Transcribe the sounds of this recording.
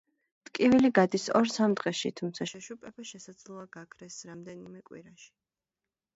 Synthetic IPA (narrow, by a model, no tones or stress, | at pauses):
t̪ʼkʼiviliɡad̪isɔ̰ɾsamd̪ʁɛʃḭt̪ʰumt̪sʰaʃɛʃupʼɛpaʃɛsad̪zlˠɔaɡakʰɾɛsɾamd̪ɛnimɛkʼwḭɾaʃi̥